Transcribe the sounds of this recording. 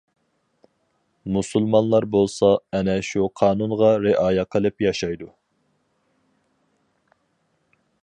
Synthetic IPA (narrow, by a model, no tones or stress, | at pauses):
musulˠmɑnlˠɑɾbolˠsɑɛnɛʃuqʰɑːnunʁɑɾeʔɑːjɛqʰəlˠɨpjɑʃɑjd̪u